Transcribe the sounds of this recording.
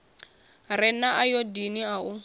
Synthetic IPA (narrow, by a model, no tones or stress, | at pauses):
rɪnaʔajɔdiniaʊ